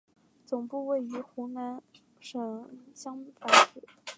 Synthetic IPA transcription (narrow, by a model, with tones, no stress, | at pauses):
t͡sʊ˨˩ŋpu˥˧we˥˩ɪy˧˥xu˧˥na˧˥n | ʂɤ˨˧˩ɕjɑ˥ŋ˥˩fa˨˧˩nʈ͡ʂu˨˩˦